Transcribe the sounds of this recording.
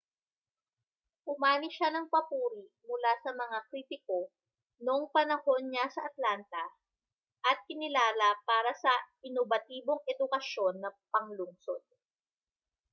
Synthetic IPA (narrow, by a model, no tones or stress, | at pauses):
ʔʊmaːnɪʃanɐŋpɐpuːɾiʔmʊlasɐmɐŋakɾiːt̪ɪko̞ | no̞ŋpɐnɐho̞nɲasɐʔɐt̪lant̪ɐ | ʔɐt̪̚kɪnɪlaːlɐpaːɾɐsɐ | ɪnobɐt̪iːbo̞ŋɛd̪ʊkɐʃo̞nːɐpɐŋlʊŋso̞d̪̥̚